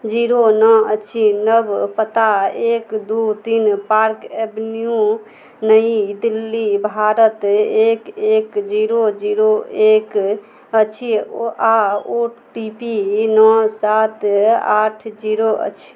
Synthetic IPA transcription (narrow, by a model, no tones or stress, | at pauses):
d͡ʒiɾonɔət͡ʃʰinəbpət̪aekd̪ut̪inpaɾkebniju | nəid̪ilːibʱaɾət̪ekekd͡ʒiɾod͡ʒiɾoek | ət͡ʃʰiaoʈipinɔsat̪a̰ʈʰd͡ʒiɾoə̰t͡ʃʰi̥